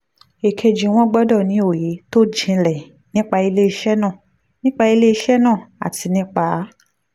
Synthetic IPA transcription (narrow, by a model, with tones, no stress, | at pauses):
e˨kʰe˧d͡ʒĩ˨w̃ɔ̃˦ɡ͡bɔ˦dɔ˦˨nĩ˨˦o˦˨je˨˦to˦d͡ʒĩ˧lɛ˨ | nĩ˦k͡pa˧i˧le˦i˧ʃɛ˦nãː˦˨ | nĩ˦k͡pa˧i˧le˦i˧ʃɛ˦nãː˦˨a̰˨ti˧nĩ˦k͡pa˧˦